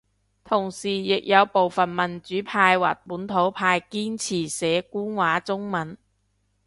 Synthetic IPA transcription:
t̪ʰʊ˨˩ŋsiː˨˩jɪ˨k̚jɐ˨˧wpo˨wfɐ˨nmɐ˨˩nt͡ʃyː˨˥pʰaː˧jwa̰ː˨˩t̚puː˨˥nt̪ʰo˨˥wpʰaː˧jkiː˥nt͡sʰiː˨˩sɛː˨˥kuː˥nwaː˨˥t͡sʊ˥ŋmɐ˨˥n

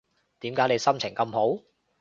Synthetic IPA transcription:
t̪iː˨˥mkaː˨˥jne˨˧jsɐ˥mt͡sʰɪ˨˩ŋkɐ˧mho˨˥w

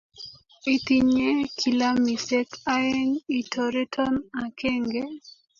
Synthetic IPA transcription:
i˨t̪i˨ɲe˦kʰi˨la˦mi˨se˦ka˦e˦ŋi˨to˨ɾe˦tʰɔ˦na˨kʰe˦ŋɡe˦

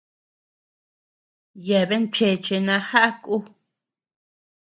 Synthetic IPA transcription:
je˨βe˦nt͡ʃe˨t͡ʃe˧nã˧ha˦ʔa˦ku˦

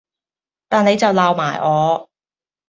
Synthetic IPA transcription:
t̪aː˨ne˨˧jt͡sɐ˨wlaː˨wmaː˨˩jʔɔː˨˧

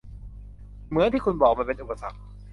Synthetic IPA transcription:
mɯ˩˦˥t̪iː˥˩kʰu˧nbɔː˨˩k̚maː˧pe˧nʔu˨˩pa˧sa̰˨˩k̚

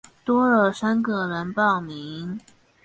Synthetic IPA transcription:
t̪wɔ˥ə˥˨˩ʂa˥nkɤ˥˩lə˧˥npɑ˥˩ʊmi˧˥ŋ

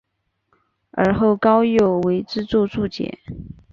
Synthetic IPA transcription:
ə̰˞˧˥xo˥˩ʊkɑ˥ʊjo˨˩ʊwe˧˥ɪʈ͡ʂɻ̩˥t͡swɔ˥˧t͡su˥˩t͡ɕjɛ̰˨˩˦

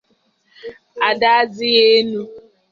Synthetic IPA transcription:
a˨da˦a˦zɪ˦ɣe˦nu˦

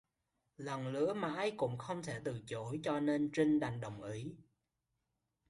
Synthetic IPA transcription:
lə˨˩nlɨ̰˧˥əmaː˨˩ʔaː˧jkʊ̰˧˥ŋ͡mxə˧wŋ͡mt̪ʰe˧˩t̪ɨ˨˩t͡ɕo˧˨˦jt͡ɕɔ˧ne˧nt͡ɕi˧ŋ̟ɗa˨˩jŋ̟ɗə˨˩wŋ͡mʔi˨˦

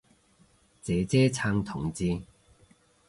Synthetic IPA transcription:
t͡sɛː˨˥t͡sɛː˥t͡sʰaː˧ŋt̪ʰʊ˨˩ŋt͡siː˧

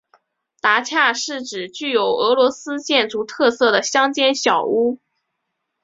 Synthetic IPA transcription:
t̪a˧˥t͡ɕʰja˥˧ʂɻ̩˥˩ʈ͡ʂɻ̩˨˩t͡ɕy˥˩jo˨˧˩ʊɤ˧˥lwɔ˧˥sɹ̩˥t͡ɕjɛ˥˩nt͡su˧˥t̪ʰɤ˥˧sɤ˥˩d̪ə˩ɕjɑ˥ŋt͡ɕjɛ˥nɕjɑ˨˩ʊu˥

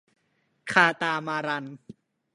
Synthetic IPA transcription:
kʰaː˧t̪aː˧maː˧ɾa˧n

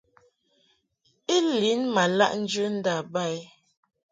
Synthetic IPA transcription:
i˦li˨˦nma˨la̰˦˨ʔn̩˦d͡ʒə˦n̩˦da˨ba˦˨j

